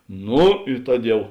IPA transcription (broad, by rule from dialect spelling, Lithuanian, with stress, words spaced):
ˈnʊ ɪ ˈtɐt ˈjɛʊ